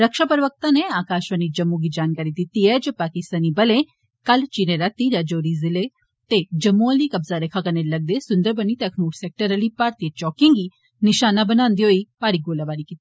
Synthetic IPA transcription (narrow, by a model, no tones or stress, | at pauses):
ɾəkʃaːpəɾəʋək̚t̪ãneaːkaːʃʋənid͡ʒɐmːũɡid͡ʒaːnkaːɾid̪ɪt̪iːɛd͡ʒəpaːkɪst̪aːnibɐlẽ | kəlt͡ʃiːɾẽɾɐt̪iːɾad͡ʒoːɾizɪle | t̪ed͡ʒɐmːũəliːkɐbzaɾekʰakɐnelɐɡ̚d̪eːsʊ̃nd̪əɾbəniːt̪eɐkʰmuːʈsɛk̚ʈəɾəlipːaːɾt̪it͡ʃɔːkɪ̃ŋɡiː | nɪʃaːnabənãːnd̪iɦoːiːpaːɾiːɡoːlaʋaːɾikit̪ːi